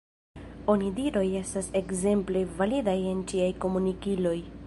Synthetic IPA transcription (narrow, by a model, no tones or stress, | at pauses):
o̞nidiɾo̞je̞stase̞kze̞mple̞validaje̞nt͡ʃiajko̞munikilo̞j